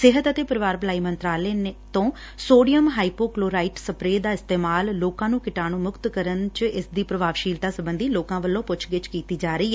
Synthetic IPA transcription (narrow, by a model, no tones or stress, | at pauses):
sɪɦət̪ət̪eːpəɾɪʋaːɾblaːiːmənt̪ɾaːleːnt̪õː | soːɖijəmɦaːiːpoːkloːɾaːiːʈsəpɾeːd̪aːɪst̪eːmaːlːoːkãːnũːkɪʈaːñũːmʊkt̪kəɾənt͡ʃɪsd̪iːpɾəʋaːʋʃiːlt̪aːsəbənd̪iːloːkãːʋəlːõːpʊt͡ʃʰɡɪt͡ʃkiːt̪iːd͡ʒaːɾəiːɛː